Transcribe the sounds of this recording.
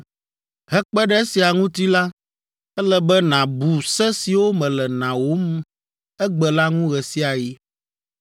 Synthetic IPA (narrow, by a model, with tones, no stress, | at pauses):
ɦɛ˦k͡pɛ˦ɖɛ˦si˨a˨ŋũ˦t̪i˦la˦ | ɛ˦lɛ˦bɛ˦nã˨bu˨sɛ˦si˨wo˦mɛ̃˨lɛ˨nã˨wo˦m˦ | ɛ˦ɡ͡bɛ˨la˦ŋũ˦ɣɛ˨si˦a˨ji˦